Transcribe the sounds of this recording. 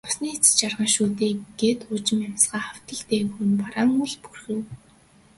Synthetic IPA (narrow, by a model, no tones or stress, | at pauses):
ʊ̥sniːt͡s̆t͡ɕarʁănʃuːt̪eːɡ̥et̪ʊːt͡ɕɪ̆mamsɢaːχaw̥t̪ə̆ɮt̪eːxunpaɾaːŋuɮpurxɘ̆w